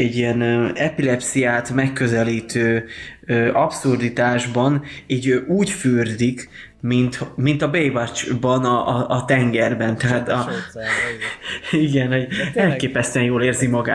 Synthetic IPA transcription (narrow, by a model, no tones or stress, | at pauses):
ɛɟːijɛnøɛpilɛpsijaːt̪mɛkːø̞zɛliːt̪øːøɒpsurd̪it̪aːʒbɒniːɟøʔuːcfyrd̪ik | mint̪mint̪ɒbejvɒt͡ʃbɒnɒʔːt̪ɛŋɡɛrbɛnt̪ɛɦaːt̪ɒ | iɡɛnhoɛlkeːpɛst̪ɛnjoːleːrzimɒɡa̰ːt̪